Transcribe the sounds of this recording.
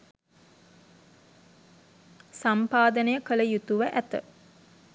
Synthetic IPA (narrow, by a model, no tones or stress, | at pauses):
sampaːd̪ənəjəkələjut̪uʋəʔæt̪ə̰